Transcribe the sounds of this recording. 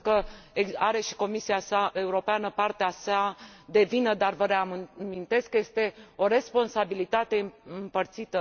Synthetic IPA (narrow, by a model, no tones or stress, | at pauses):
kəeaɾe̞ʃi̥ko̞misiasaʔe̞uɾo̞peanəpart̪easad̪e̞vinəd̪arvəɾeamint̪e̞skːəje̞st̪e̞o̞ɾe̞spo̞nsabilit̪at̪e̞ɨɨmpərt̪sit̪ə